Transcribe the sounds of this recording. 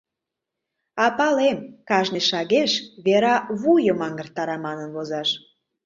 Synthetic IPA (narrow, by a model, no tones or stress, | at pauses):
ɑpɑlemkɑʒneʃɑɣeʃβeɾɑβujəmɑŋɡə̆rt̪ːɑɾɑmɑnənβozɑʃ